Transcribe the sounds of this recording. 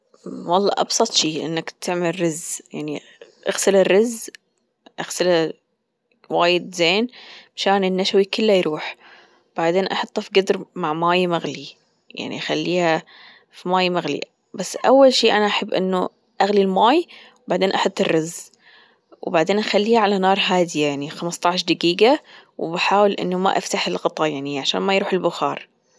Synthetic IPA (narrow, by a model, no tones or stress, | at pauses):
wɑlˤːɑ̰ːʔɑ̰bsˤɑt̪ˤʃiːʔɪ̰nːakt̪ʰɪʕmɪlrːɪzjaʕni | ʔaɣsɪlɪrːɪz | ʔaɣsɪla | waːjɪd̪zeːnmaʃaːnɪnːaʃawikɪlːajɾuːħ | b̥aʕd̪eːnʔɑħɑt̪ˤːɑfiɡɪd̪ɾmaʕmaːjmaɣli | ja̰ʕnḭʔaxalːiːha | fimaːjmaɣlḭ | basːʔawːalʃiːʔanaʔaħabːʔɪ̰nːu | ʔaɣlilmaːj | baʕd̪eːnʔɑħɑt̪ˤːɨrːɑz | wbaʕd̪eːnʔaxalːiːaʕalanɑːɾˤɦaːd̪ɪjajaʕnixamst̪ˤɑʕʃd̪aɡiːɡawbaħaːwɪlʔɪ̰nːuma̰ʔa̰ft̪aħɪlɣɑt̪ˤɑjaʕniʕaʃaːnmajɾuːħɪlbʊxɑ̰ːɾˤ